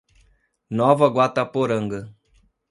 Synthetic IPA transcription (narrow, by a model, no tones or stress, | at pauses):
nɔvɐɡwat̪ɐpoɾɐ̃ŋɡɐ